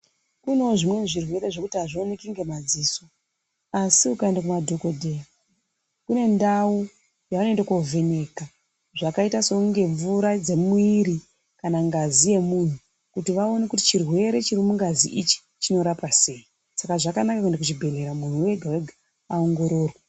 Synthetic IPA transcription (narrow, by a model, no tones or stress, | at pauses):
kunoʐimwe̞ʐirwe̞ɾe̞ʐo̞kutiɦaʐionekiŋɡe̞mad͡ziːso̞ | asiukaendak̬umadʱo̞kodʱeja | kune̞ndau | jaano̞ndakovʱe̞neːka | ʐakaitasokuŋɡe̞ɱvuɾad͡ze̞mwiɾi | kanaŋɡazije̞mun̤u | kutiʋao̞nekuti̥t͡ʃirwe̞ɾe̞t͡ʃiɾimuŋɡazḭʔit͡ʃi̥ | t͡ʃino̞ɾapase̞i | sakaʐakanakakwendekut͡ʃibʱe̞le̞ɾamun̤uwe̞ɡʱaweɡʱa | ao̞ŋɡo̞ɾo̞ːrwa